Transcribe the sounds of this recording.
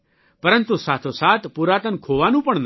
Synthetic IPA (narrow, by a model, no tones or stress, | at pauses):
pɐɾə̃nt̪usaːt̪ʰosaːt̪ʰpʊɾaːt̪ənkʰoːʋanũːpɐɳ̃n